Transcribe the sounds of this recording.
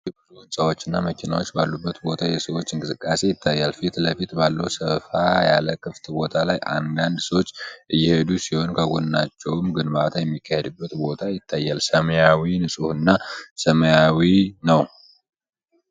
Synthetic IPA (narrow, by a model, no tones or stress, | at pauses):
ɨbɾuɨnsʼawot͡ʃːɨnːaməkʰina̰wot͡ʃːbalːubːət̪bo̞t̪ʰajɛsəwo̞t͡ʃːɨŋkʼɨsɨkʼːase̞jɪt̪ʰːajːalfit̪ləfit̪balːəwsəfaja̰ləkʰɨft̪bo̞t̪ʰalajʔa̰nd̪and̪səwot͡ʃːʔɨjːɛhed̪usihonkʰəɡonɨnat͡ʃːɛwmɡɨnbat̪ʰajɛmːikʰːahed̪ɨbːət̪bo̞t̪ʰajɪt̪ʰːajːalsəməjawinɨsʼuhɨnːasəməjawinəw